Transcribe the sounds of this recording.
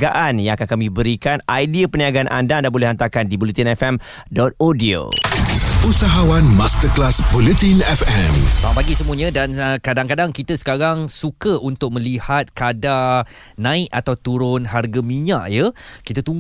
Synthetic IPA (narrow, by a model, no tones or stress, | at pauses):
ɡaʔanjãŋakankamĩbəɾikanajdiapəniaɡanʔa̰ndandabolɛhant̪akandibulət̪inɛfɛm | dɔt̪̚odio̰ | usaɦawanmast̪əklasbulət̪inɛfɛmãpaɡisəmũəɲãdankadaŋkadaŋkit̪əsə̥kaɾaŋsukəunt̪ʊk̚mə̃lihat̪̚kada | nãɪkat̪awt̪uɾʊnɦarɡamiɲaʔjəkit̪ət̪uŋ